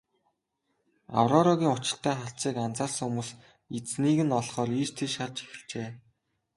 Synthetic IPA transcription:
a̰wrɔɾɔɣʲiːŋʊt͡ɕɪ̆ɬt̪ʰæːχaɬt͡siːkant͡saːrsumuːs | it͡sniːɣɘ̆nɔɮχɔːriːt͡ɕt̪ʰeʃart͡ɕe̥xɘ̆ɮt͡ɕeː

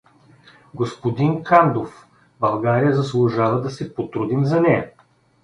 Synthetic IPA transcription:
ɡospod̪inkand̪of | bɐlˠɡaɾijəzɐslˠʊʒavɐd̪ɐsɛpot̪ɾud̪imzɐnɛjɐ

